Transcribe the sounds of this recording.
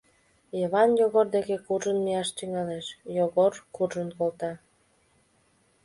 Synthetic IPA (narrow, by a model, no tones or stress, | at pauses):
jəβɑnjoɣord̪ekekuʒənmijɑʃt̪yŋɑleʃjoɣorkuʒənkolt̪ɑ